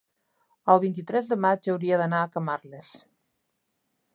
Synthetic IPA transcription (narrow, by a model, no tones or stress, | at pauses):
əlˠβint̪it̪ɾɛzðəmad͡ʒəwɾiəðənaːkəmaɾles